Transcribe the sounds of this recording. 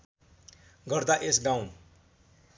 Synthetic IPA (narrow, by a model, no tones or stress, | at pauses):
ɡʌɾd̪aʔesɡãw̃